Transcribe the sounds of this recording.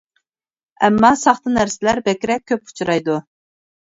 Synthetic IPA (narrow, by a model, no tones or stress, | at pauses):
ɛ̰mːɑsɑχt̪ɨnæɾsɪlæɾbɛkʲɾɛkʲʰːøpu̥t͡ʃʰuɾɑjd̪u